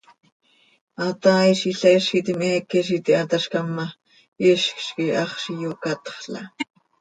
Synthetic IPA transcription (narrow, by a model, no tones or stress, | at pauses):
ɑt̪ɑːiʃiɬaʔiʃkit̪imɛːkːɛʃ̬it̪iʔat̪ɑʃkɑmːɑ | iʃkʃkiɑχʃijokɑt̪χɬɑ̰